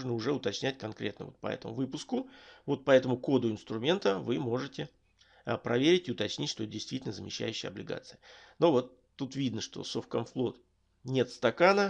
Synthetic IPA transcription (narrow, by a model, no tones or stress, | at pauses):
ʐnəʊʐɛʊt̪ɐt͡ɕnʲætʲkɐnkɾʲe̞t̪nəvot̪̚pɐ̰ɛ̰t̪əmʊvɨpʊskʊvo̞t̪̚pɐɛt̪əmʊko̞d̪ʊɪnst̪ɾʊmʲe̞nt̪əvɨmo̞ʐɨtʲɪ | pɾʔɐvʲeɾʲɪtʲɪʊt̪ɐt͡ɕnʲitʲʂt̪oɛt̪dʲɪjst̪vʲitʲɪlʲnəzəmʲɪ̰ɕːæ̰jʉɕːɪjɐ̰blʲɪɡa̰t̪sɨjənovo̞t̪ːut̪vʲid̪nəʂt̪o̞̰sofkomflˠo̞t̪ | nʲe̞t̪st̪ɐkanə